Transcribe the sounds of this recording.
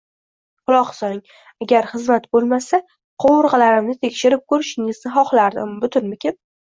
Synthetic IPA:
qʊlˠɒqsɒnɪŋ | aɡʲaɾχɨzmat̪bolˠmasa | qʰowʊɾʁɑlaɾɪmnɪt̪ʰekʲʃɪɾɪp̚kʰɵɾɪʃɪŋɪznɪχɒχlaɾd̪ɪ̰mbʊt̪ʰʊnmɪkʲʰep̚

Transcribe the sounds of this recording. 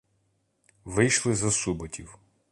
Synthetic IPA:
ʋɪjʃlˠɪzɐsubɔtʲiw

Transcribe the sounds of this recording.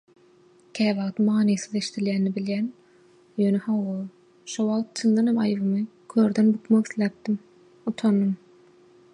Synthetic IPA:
kʲʰæːβɑʁt̪mɑːnisɯðe̞ʃi̥t̪ʰiljæːnːibiljæːn | jøːnehɑwʁo | ʃowɑʁˠt̪̚t͡ʃʰɯnd̪ɑnhemɑjvɯmɯkʰøːɾd̪enbukmokiθlæːp̚d̪im | ut̪ʰonːɯm

